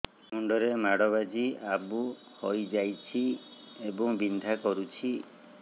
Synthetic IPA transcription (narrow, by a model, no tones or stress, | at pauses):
muɳɖɔɾemaɽɔβad͡ʒiabu | hojd͡ʒajt͡ʃʰi | ebɔŋbind̪ʱakɔɾut͡ʃʰi